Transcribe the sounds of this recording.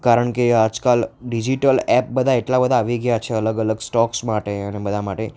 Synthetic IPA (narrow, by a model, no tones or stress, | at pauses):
kaɾəɳkead͡ʒkalɖid͡ʒiʈəlɛp̚bəd̪ʱaeʈlabəd̪ʱaːʋiɡəjat͡ʃʰeələɡələɡsʈɔksmaʈeənebəd̪ʱamaʈe